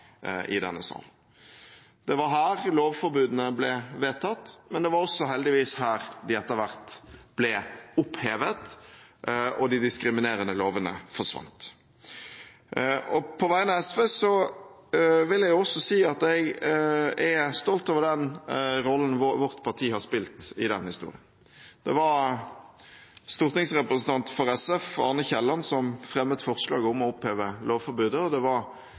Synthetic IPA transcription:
ʔɪ̰d̪ɛ̰nːəsɑ̰ːn | d̪̥ɛʋɑɾɦæːɾloːʋfɔɾbʉːd̪n̩əblɛʋeːt̪ʰɑt̪ːmɛnd̪ɛʋɑɾɔsːɔɦɛld̪ɪʋiːshæːɾd̪ɪɛt̪ːəɾʋæɾt̪b̥lɛʊpheːʋət̪ | ɔd̪ɪd̪ɪskɾɪmɪneːɾənəloːʋənə̰fɔʂʋɑ̰nt̪ | ɔpʰɔʋæɪənɑɛsʋeːsɔ | ʋɪljɛɡjʊɔsːɔsiːɑt̪ɛɡ | ɛst̪ɔlt̪oːʋəɾd̪ɛnʁɔlːən̩ʋʋɔʁt̪pʰɑʁt̪ʰiːhɑʁspɪlt̪ɪd̪ɛ̰nhɪst̪ṵːɾɪ̰ən | d̪̥ɛʋɑɾ | st̪ʊːʁt̪nɪŋsʁɛpɾəsn̩t̪ʰɑnt̪fɔɾɛsɛfɑ̰ːʁnəçɛlːɑnsɔmfʁɛmːət̪fɔʁʂlɑ̰ːɡɔmɔʊpheːʋəloːʋfɔɾbʉːd̪əɔd̪ɛʋɑɾ

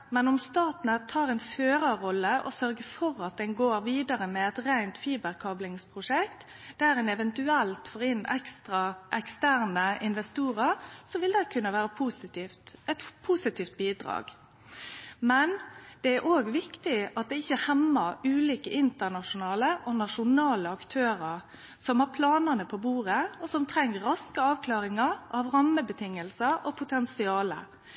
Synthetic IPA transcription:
mɛnɔmst̪ɑːt̪nət̪ʰɑːɾɛnføːɾɑɾɔlːəʔɔ̰sœɾɡəfɔɾɑt̪̚d̪ɛnɡoːɾʋiːd̪ɑɾəmɛɛt̪ɾæɪnt̪fiːbəɾkʰɑblɪŋspʰɾʊʂɛkt̪ | d̪̥æɾɛnɛʋɛnt̪ʉɛlt̪foːɾɪnːɛkst̪ʁɑʔɛkst̪æːɾnəɪnʋɛst̪uːɾəɾsɔʋɪld̪ɛɪkʰʉnːəʋæːɾəpʰusɛt̪pʰuːsɪt̪ʰiːft̪̚biːd̪ɾɑ̰ːɡ | mɛnd̪̥ɛæɾʔoːɡʋɪkt̪ɪɑt̪̚d̪ɛɪçːəhɛmːɑʉːliːkəʔɪnt̪ənɑʂʊnɑːləʔɔnɑʂʊnɑːləɑkt̪ʰøːɾəɾ | sɔmhɑːɾpʰlɑːnənəpʰɔbuːɾəɔsɔmt̪ʰɾɛŋːəɾɑskəɑːʋkʰlɑːɾɪŋɑɾʔɑʋɾɑmːəbət̪ʰɪŋːəlsəɾɔpʰʊt̪ʰɛnsɪɑːlə̰

